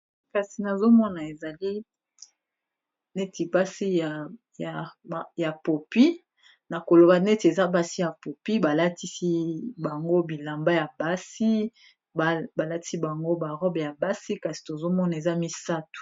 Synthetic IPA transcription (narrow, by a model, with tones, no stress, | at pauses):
ka˨si˨na˨zo˦mɔ˦na˨e˨za˨li˦ | ne˦ti˨ba˦si˦ja˨ | ja˨ja˨po˨pi˦ | na˨ko˨lo˨ba˨ne˦ti˨e˨za˦ba˦si˦ja˨po˨pi˦ba˨la˦ti˦si˦ba˨ŋɡo˦bi˨la˨mba˦ja˨ba˦si˦˨ | ba˨la˦ti̥˦si˦ba˨ŋɡo˦ba˨ʁɔ˦bja˨ba˦si˦ka˨si̥˨to˨zo˦mɔ˦na˨e˨za˦mi˦sa˦tu̥˨